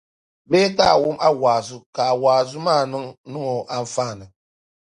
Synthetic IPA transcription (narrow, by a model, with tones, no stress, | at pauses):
beː˦ta˦˨wu˦ma˦waː˨zu˦ka˨waː˨zu˦maː˦˨nɨ˦ŋnu˦ŋo˨ʔa˦ɱ̩˨faː˦˨nɨ˨